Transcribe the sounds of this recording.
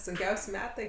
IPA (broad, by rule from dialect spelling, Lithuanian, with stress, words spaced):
sʊŋʲˈkʲɛʊsʲ ˈmʲæːtɐɪ